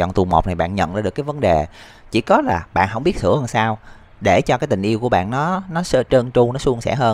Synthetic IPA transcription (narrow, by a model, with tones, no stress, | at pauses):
ɔ̰˧˨t̪u˨˩mo̰˨˩k͡p̚na˨˩jɓa̰ː˧˨nɲə̰˧˨nʔɨː˧˩ɗɨ˨˩əkaː˨˦jvə˨˦nɗe˨˩ | t͡ɕḭ˧˩kɔ˨˦laː˨˩ɓa̰ː˧˨nɦə˧˩wŋ͡mɓi˦˥ət̪̚ʰɨ̰˧˩əhəː˧nsaː˧w | ɗe˧˩t͡ɕɔ˧kaː˨˦t̪ï˨˩ŋ̟ʔi˧əku˧˩əɓa̰ː˧˨nːɔ˨˦nɔ˨˦sə˧t͡ɕə˧nt͡ɕu˧ŋ͡mnɔ˨˦su˧əŋsɛ̰˧˩ɦəː˧n